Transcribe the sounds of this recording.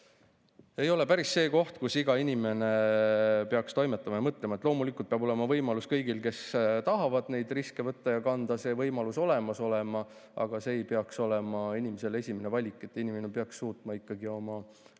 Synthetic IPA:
e̞jo̞le̞pæɾisːe̞ːko̞ht̪kusiɡ̥ɑinime̞ne̞ | peɑkst̪o̞jme̞t̪ːˑɑmɑjɑmɤt̪ːˑle̞mɑet̪ːˑlo̞ːmulikult̪̚peɑb̥o̞le̞mɑvɤjmɑluskɤjɡ̥ilke̞st̪ɑɦɑvɑd̪̥ne̞jd̪̥riske̞vɤt̪ˑːɑjɑkɑnd̪̥ɑse̞ːvɤjmɑluso̞le̞mɑso̞le̞mɑ | ʔɑ̰ɡ̥ɑse̞ːjpeɑkso̞le̞mɑinimese̞le̞sʲimene̞vɑlʲikˑːe̞t̪ːˑinimene̞peɑksːuːt̪mɑikːɑɡio̞mɑ

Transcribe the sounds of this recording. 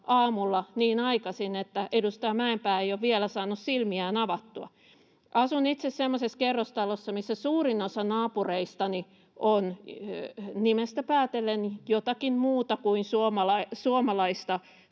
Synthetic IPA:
ʔɑːmulːɑniːnɑikɑsinet̪ːæʔedust̪ɑjɑmæempæːeijoʋʋielæsɑːnːussilmiæːnɑʋɑt̪ːuɑ̰ | ʔɑsunit̪sessemːoseskerːost̪ɑlosːɑmisːæsuːrinosɑnɑːpureist̪ɑni | ʔon | nimest̪æpæːt̪elːenjot̪ɑkinmuːt̪ɑkuinsuomɑlɑsuomɑlɑist̪ɑ

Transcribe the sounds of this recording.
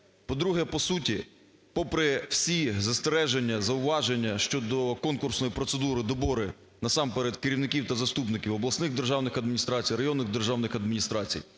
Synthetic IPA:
pɔd̪ɾuɦɛpɔsutʲi | pɔpɾɛwsʲizɐst̪eɾɛʒenʲːɐzɐʊʋɑʒenʲːɐʃt͡ʃɔd̪ɔkɔnkʊrsnɔjipɾɔt̪sed̪uɾɪd̪ɔbɔɾɪ | nɐsɑmpeɾɛd̪kɪɾʲiwnɪkʲiwt̪ɐzɐst̪upnɪkʲiwɔblˠɐsnɪɣd̪erʒɑwnɪxɐd̪mʲinʲist̪ɾɑt͡sʲijɾɐjɔnːɪɣd̪erʒɑwnɪxɐd̪mʲinʲist̪ɾɑt͡sʲḭj

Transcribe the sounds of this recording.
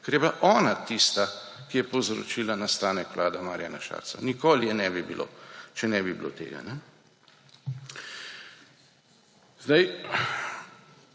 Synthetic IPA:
kɛɾjɛblaʔɔːnat̪ist̪akijɛpowzɾɔ̰t͡ʃiːlanast̪aːnɛkʋlʔaːd̪amaːɾjanaʃa̰ːɾsa̰nikoːlijɛnɛːbibḭlʔo̰ːt͡ʃɛnɛbibilo̰t̪ḛːɡa̰nɛ | zd̪aj

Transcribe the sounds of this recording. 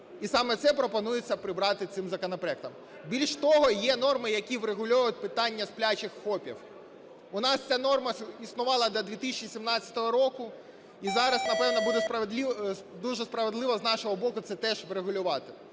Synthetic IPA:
isɑmɛt̪sɛpɾɔpɔnujet͡sʲːɐpɾɪbɾɑt̪ɪt̪sɪmzɐkɔnɔpɾɔɛk̚t̪ɐm | bʲilʲʃt̪ɔɦɔjɛnɔrmɪjɐkʲiʋɾeɦʊlʲɔjʊt̪̚ʲpɪt̪ɑnʲːɐsplʲat͡ʃɪxxɔpʲḭw | ʊnɑst͡sʲanɔrmɐisnʊʋɑlˠɐd̪lʲɐd̪ʲʋʲit̪isʲt͡ʃʲisʲimnɑt͡st͡sʲɐ̥t̪ɔɦɔɾɔkʊ | izɑɾɐsnɐpɛʋnɐbud̪ɛspɐʋd̪lʲ | d̪uʒɛspɾɐʋed̪lˠɪʋɔznɑʃɔɦɔbɔkʊt̪sɛt̪ɛʒʋɾeɦʊlʲʊʋɑt̪ɪ

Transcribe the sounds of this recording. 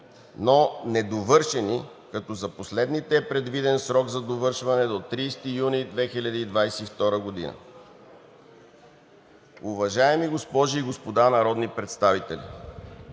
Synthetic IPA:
nonɛd̪ovɤɾʃɛni | kɐt̪ɔzɐposlɛd̪nit̪ɛːpɾɛd̪vid̪ɛnsɾɔɡzɐd̪ovɤɾʃvɐnɛd̪ot̪ɾiːst̪ijunid̪vɛxilʲɐd̪iːd̪vajsɛift̪ɔɾəɡod̪ḭnə̰ | ʊvɐʒaɛmiɡospɔʒiːɡospod̪anɐɾɔd̪nipɾɛt̪st̪avit̪ɛ̰lʲḭ

